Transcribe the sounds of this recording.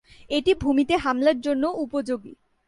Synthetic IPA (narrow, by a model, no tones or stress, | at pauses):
eʈibʱumit̪eɦamlaɾd͡ʑonːoupod͡ʑoɡḭ